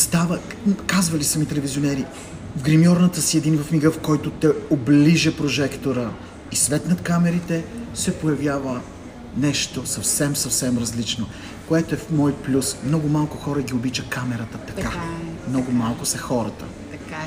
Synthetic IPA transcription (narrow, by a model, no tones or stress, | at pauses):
st̪avəkazvəlisɐmit̪ɛlɛvizionɛɾi | vɡɾimiɔɾnət̪əsiɛd̪invɐfmiɡəfkɔjt̪ot̪ɛobliʒəpɾoʒɛkt̪oɾə | isvɛt̪nɐt̪kamɛɾit̪ɛsɛpojɐvjavə | nɛʃt̪osɐfsɛmsɐfsɛmɾɐzlit͡ʃno | koɛt̪oɛfmɔjplʲusmnɔɡʊmalˠkʊxɔɾəɡʲiobit͡ʃəkamɛɾət̪ət̪ɐ̥kamnɔɡʊmalˠkʊsɛxɔɾət̪ə̰